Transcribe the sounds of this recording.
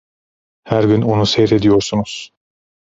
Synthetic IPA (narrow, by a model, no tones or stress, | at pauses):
hæɾɟyno̞nusejɾe̞d̪ijo̞ɾsunuz̥